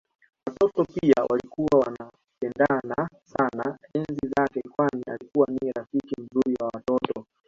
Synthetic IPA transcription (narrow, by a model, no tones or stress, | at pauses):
watɔtɔpiiawʔalikuwawana | pɛndanasanaɛnzizakɛkwania̰likuwaniɾafikim̩zuɾiwawatɔtɔ